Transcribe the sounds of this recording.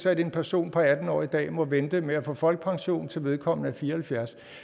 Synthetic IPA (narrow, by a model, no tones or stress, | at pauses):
sæde̝npʰæɐso̝̰ːnpʰɒ̽æd̥n̩ɒ̰ːid̥ɛ̰ːmɒ̽ʋend̥əmeæfɔ̰fɒ̽l̰ɡ̥̚pʰɑ̈ŋɕo̝̰ːn̩t͡sʰe̝lʋe̝ð̞ˠkʰɒ̽m̰nəæfiːɐhælfjæɐs